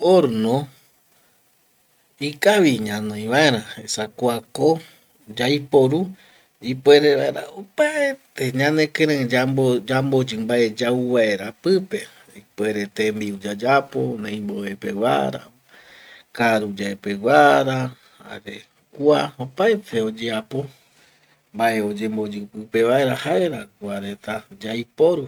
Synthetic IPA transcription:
oɾnõ | ikaβiɲãnõĩβaeɾãesakʷako | d͡ʒajpo̞ɾu | ipweɾeβaeɾa̰opaet̪eɲãnẽkeɾẽd͡ʒaoambod͡ʒɨmbaed͡ʒauβaeɾapɨpe̞ | ipweɾet̪embiud͡ʒad͡ʒapo̰nẽj̃mboepewa̰ɾa̰ | kaɾud͡ʒaepewaɾa | a̰ɾe | kuaopaet̪ʰe̞od͡ʒeapo̞ | mbae̞o̞d͡ʒembo̞d͡ʒɨpɨpe̞βae̞ɾahaeɾakuaɾe̞t̪ad͡ʒajpo̞ɾu

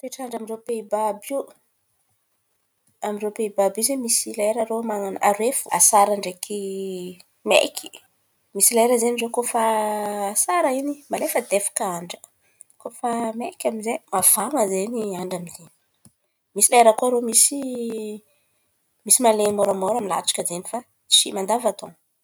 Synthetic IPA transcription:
t̪eʈ͡ʂaɳɖ͡ʐamiɳɖ͡ʐepeibabu | amirewpeibabizemisilaeɾaɾomaŋanaɾefua̰saɾaɳɖ͡ʐekʰi | mḛkʰi̥ | misilaeɾəzenirokofaː | saɾəinimalefəd̪efḁkaaɳɖ͡ʐə̥ | kofamekʲamizemav̥aŋəzeniaɳɖ͡ʐamizeni̥ | misilaeɾəkuaɾomisi | misimalemoɾamɔɾamila̰t͡ʃḁkəzenifa | t͡ʃḭmand̪avat̪õ̰ŋ

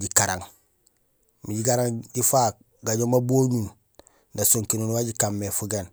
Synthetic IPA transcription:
ɟikaɾa̰ŋ | miɟiɡaɾaŋɟifak̚ | ɡaɟomaboːɲun | dasoŋkinunwaɟikamːefuɡen

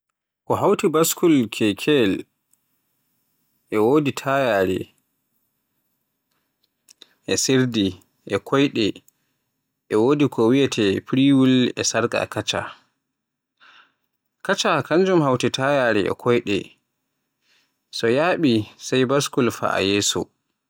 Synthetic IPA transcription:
kɔɦawtibaskulkʰɛkʰɛl | ʔɛwoditʰajaːɾɛ̰ | ʔɛseɾdi | ʔɛkʰɔjɗɛ | ʔɛwoːdikʰɔwijatʰɛpɾiwulɛ̰saɾɡa̰kat͡ʃa̰ | kat͡ʃakaɲd͡ʒumhawtitʰajaɾɛʔɛ̰kʰɔjɗɛ̰ | sɔjaːɓisajbaskulfa̰a̰jɛːsɔ̰

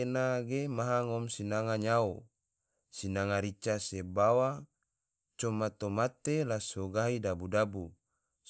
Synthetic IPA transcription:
enaɡemaɦaŋɔmsinaŋaɲao | sinaŋaɾit͡ʃasebawa | t͡ʃomat̪omat̪elasoɡaɦidabudabu

